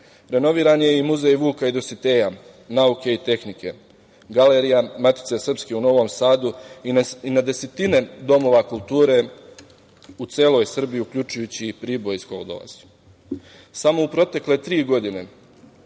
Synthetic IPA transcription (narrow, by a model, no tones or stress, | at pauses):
ɾe̞no̞ʋiːɾanje̞imuzejʋuːkaid̪osit̪e̞ːja | nauke̞it̪e̞xnike̞ | ɡaleɾijamat̪i̥t̪se̞sr̩pskeuno̞ʋo̞msaːd̪uiinad̪e̞se̞t̪ine̞d̪o̞mo̞ʋakulˠt̪uːɾe̞ | ut̪se̞ːlˠo̞jsr̩bijiukʎʲut͡ʃujut͡ɕipɾibo̞jskoɡd̪o̞̰la̰z̥u̥ | samo̞upɾo̞t̪e̞kle̞t̪ɾiːɡo̞d̪ine̞̰